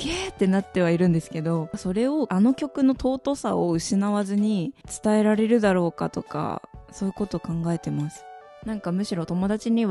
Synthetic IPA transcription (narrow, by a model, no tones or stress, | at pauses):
ɡeːt̪ːe̞nat̪ːe̞β̞aiɾɯ̟̃nd̪e̞sɨ̥ke̞d̪o̞so̞ɾe̞o̞ʔano̞kʲo̞kɯ̟no̞t̪o̞ːt̪o̞saoɯ̟ɕinaβazɨɲ̟it͡sɨ̥t̪ae̞ɾaɾe̞ɾɯ̟d̪aɾo̞ːka̰t̪oka̰so̞ːi̟ko̞t̪o̞ːkãŋɡae̞t̪e̞masɨ̥ | nãŋkamɯ̟ɕiɾo̞t̪o̞mo̞d̪at͡ɕiɲ̟iβ